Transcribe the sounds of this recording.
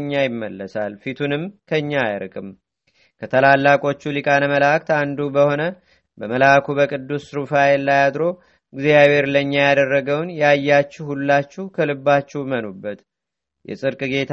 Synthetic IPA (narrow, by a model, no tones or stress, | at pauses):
ɲːajɪmːəlːəsalfit̪ʰunɨmkʰəɨɲːaːjɾɨkʼɨm | kʰət̪ʰəlalːakʼo̞t͡ʃːulikʼanəməlak̚t̪and̪ubəho̞nə | bəməlakʰubəkʼɨd̪ːusɾufaelːajad̪ɾo̞ | ɡzijaβe̞ɾləɲːajad̪ərːəɡəwnjɛajːat͡ʃːuhulːat͡ʃːuhkʰəlɨbːat͡ʃːɛhmənubːət̪ | jɛ̰sʼɨɾkʼɨɡe̞t̪ʰ